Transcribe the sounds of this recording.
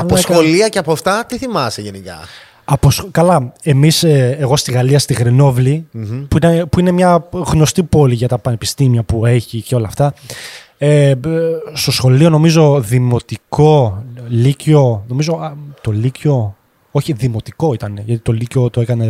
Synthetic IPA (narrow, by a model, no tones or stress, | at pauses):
ɐposoliɐcɐpoft̪ɐt̪iθimɐseʝenikɐ̰ | ɐposkɐlɐe̞miseeɣo̞st̪iɣɐliɐst̪iɣɾeno̞vlipuinepuine̞mɲɐɣno̞st̪ipo̞liʝɐt̪ɐpɐne̞pist̪imiɐpue̞çiceo̞lɐft̪ɐ | e | st̪o̞sxo̞lio̞no̞mizo̞ðimo̞t̪iko̞lico̞no̞mizo̞t̪o̞lico̞ | o̞çiðimo̞t̪iko̞it̪ɐne̞ʝɐt̪it̪o̞licot̪oe̞kɐne̞